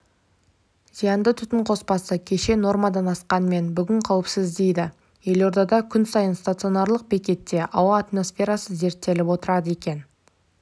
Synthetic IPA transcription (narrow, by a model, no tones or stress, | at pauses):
zijɑnd̪ət̪ʰʏt̪ɪɴqʰo̞spɑsəkʲʰe̞ʃe̞no̞rmad̪ɑnɑsqɑnəme̞nbʏɡʲɪɴqʰɑwɪpsɪzd̪e̞jd̪ɪ | je̞lo̞ɾd̪ɑd̪ɑkʲʰʏnsɑjənst̪at̪sɨo̞nɑɾlˠəq̚bekʲe̞t̪ːe̞ʔɑwɑːt̪mo̞sfʲe̞ɾasəze̞ɾt̪ːe̞lɪpwo̞t̪əɾɑd̪əe̞kʲe̞n